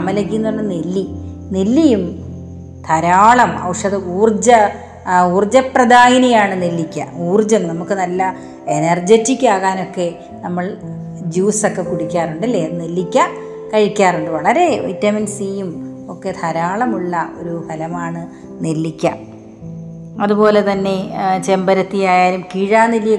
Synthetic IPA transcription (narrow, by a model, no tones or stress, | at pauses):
ɐmɐlɐkːijunːuɭːɐnelːi | nelːijum | t̪ʰɐɾaːɭɐmɐ̰wʂɐðɨuːrd͡ʑɐ | uːrd͡ʑɐprɐd̪aːɣinɐjaːɳɨnelːikʲːɐ̰uːrd͡ʑɐmnɐmukːɨnɐlːɐ | enɐrd͡ʑetːikʲːaːɣaːno̞kːe̞ | nɐmːɐɭ | d͡ʑuːsokːe̞kuɽikʲːaːruɳɖilːeːnelːikʲːɐ | kɐɻikʲːaːruɳɖɨʋɐɭɐɾe̞ʋḭtːɐminsijum | o̞kːe̞t̪ʰɐɾaːɭɐmuɭːɐʔo̞̰ɾubʱɐlɐmaːɳɨ | nelːikʲːɐ̰m | ɐðupo̞ːle̞t̪ɐnːe̞t͡ɕe̞mbɐɾɐt̪ːijaːjaːlumkiɻaːnilij